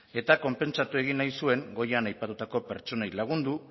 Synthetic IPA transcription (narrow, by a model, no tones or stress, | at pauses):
e̞t̪ako̞mpe̞nt͡sat̪ue̞ɣ̞inːajsue̞ŋɡo̞jeanajpat̪ut̪ako̞pe̞ɾt͡ʃo̞nejlaɣ̞und̪u